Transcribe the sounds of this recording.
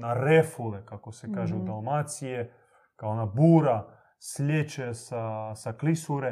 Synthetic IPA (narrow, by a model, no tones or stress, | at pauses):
naɾɛfulɛkakosɛkaʒɛud̪alˠmat̪sijɛ | kaonabuɾa | slʲet͡ʃɛsasaklisuɾɛ